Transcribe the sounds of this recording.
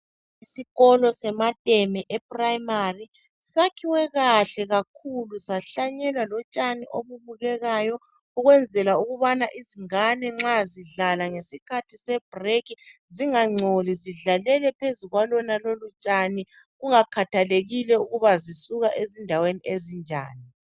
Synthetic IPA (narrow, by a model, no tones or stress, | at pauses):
isiɣɔlɔsɛmatʼɛmɛʔɛpʼraimari | sakʰiwɛɣaɬɛɣak̚ʰulusaɬaɲɛlwalɔt͡ʃʼaniʔoβuβuɣɛɣajɔ | uɣwɛnd͡zʱɛlauɣuβanaʔiziŋanɛŋ͡ǁaziɮalaŋesikʰatʰisɛb̥rekiziŋaŋ͡ǀʱoliziɮalɛlɛpʰezuɣwalɔnalolut͡ʃʼani | ɣuŋakʰatʰaleɣilɛuɣuβazisuɣaʔezindʱaweniʔezind͡ʒʱa̰ːni